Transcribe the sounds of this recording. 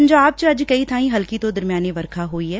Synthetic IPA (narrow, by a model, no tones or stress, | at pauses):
nd͡ʒoaːp̚t͡ʃɐd͡ʒkɐit̪ʰaːĩɦɐlkit̪od̪ɐɾmijaːneʋɐɾkʰaɦoːiɦɛː